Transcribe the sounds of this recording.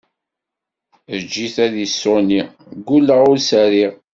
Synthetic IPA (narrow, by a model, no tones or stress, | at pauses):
d͡ʒːiθæðisːʊni | ɡulːəʁʊɾsæɾiʁ